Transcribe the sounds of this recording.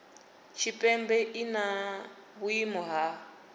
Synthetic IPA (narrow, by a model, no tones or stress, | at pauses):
t͡ʃʰipʼɛmbɛʔina | βuimɔɦa